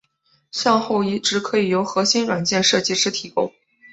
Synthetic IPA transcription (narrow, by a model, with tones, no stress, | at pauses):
ɕjɑ˥˧ŋxo˥˩ʊi˥˩ʈ͡ʂɻ̩˧˥kʰɤ˧˥i˨˩jo˧˥ʊxɤ˧˥ɕi˥nɻwa˨˩nt͡ɕjɛ˥˧nʂɤ˥˧t͡ɕi˥ʈ͡ʂɻ̩˥t̪ʰi˨˩kʊ̰˥ŋ